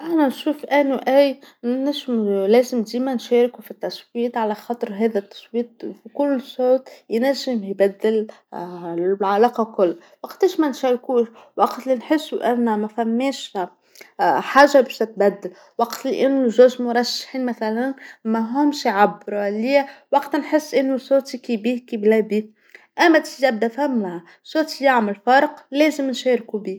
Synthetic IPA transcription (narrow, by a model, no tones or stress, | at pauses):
ʔænænʃuːfʔænuʔæːjnæʒmlɛːzɪmd̪iːmænʃɛːɾɪkufit̪ːɑsˤwiːt̪ˤʕalæxɑt̪ˤɾɦɛːðæt̪ːɑ̥sˤwiːt̪̚ˤfikʊlːsˤoːt̪jnæʒːɪmjbæd̪ːɪl | ʕalɑːqɑkʊlːa | wɑqt̪ɪːʃmænʃæːɾkuːʃwɑqt̪linħɪsːuʔænːmæfæmːɛːʃ | ħaːʒːabɛːʃt̪ɪt̪̚bæd̪ːɪl | wɑqt̪liʔɪnːuʒæːʃmʊɾˤɑʃːḁħiːnmæθælænmæɦʊmʃjʕabːɾlːiːwɑqt̪nħɪsːʔɪnːusoːt̪ikibiːkiblæːbiː | ʔæmːæt̪ijæb̚d̪æfhæmːaʕ | sˤoːt̪ijaʕmɪlfɑɾˤqleːzɪmnʃeːɾkubiː